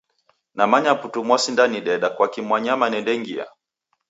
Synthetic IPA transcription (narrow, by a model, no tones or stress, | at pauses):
namaɲaputumwɔsindaniɗɛɗakwakimwaɲamanɛndɛŋɡia̰